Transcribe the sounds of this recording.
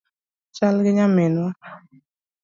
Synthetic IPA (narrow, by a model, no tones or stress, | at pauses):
t͡ʃalɡɪɲamɪnwa